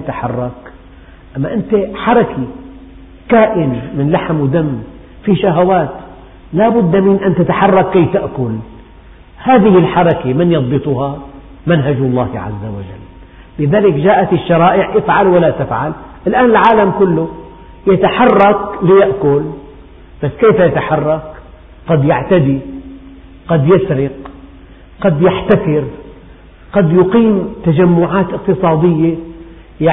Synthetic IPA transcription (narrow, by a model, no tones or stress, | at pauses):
at̪aħɑ̰rˤːɑk | ʔamːaʔɪnt̪eħɑɾˤɑki | kaːʔɪnmɪnlaħmwd̪amː | fiʃaɦawaːt̪ | laːbʊd̪ːmɪnʔant̪at̪aħɑrˤːɑkːajt̪aʔkʊl | haːðɪhɪlħɑɾˤɑkemɪnjɑðˤbɨt̪ˤʊhɑ | manɦad͡ʒɑlˤːɑːhʕa̰zːawa̰d͡ʒa̰lː | lɪðaːlɪkd͡ʒaːʔat̪ɪʃːɑɾˤɑːʔɪʕʔɪfʕalwalːat̪ɪfʕalʔɪlʔaːnɪlʕaːlamkʊlːʊ | jat̪aħɑrˤːɑklɪjaʔkʊl | b̥asːkeːfajat̪aħɑrˤːɑk | qɑd̪jaʕt̪ad̪i | qɑd̪jasɾɪq | qɑd̪jaħt̪akɪɾ | qɑd̪jʊqiːmt̪ad͡ʒamːʊʕaːt̪ʔɪqt̪ɨsˤɑːd̪ɪjːe | ja